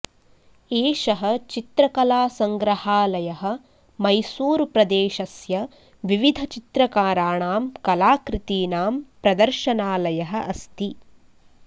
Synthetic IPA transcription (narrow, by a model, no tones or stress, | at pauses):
eːʃɐɦɐ̆t͡ʃit̪ɾɐkɐlaːsɐŋɡɾɐhaːlɐjɐɦɐ̆ | mɐjsuːɾpɾɐd̪eːʃɐsjɐ | ʋiʋid̪ʱɐt͡ʃit̪ɾɐkaːɾaːɳaːmkɐlaːkɾit̪iːnaːmpɾɐd̪ɐɾʃɐnaːlɐjɐɦɐ̆ʔɐst̪i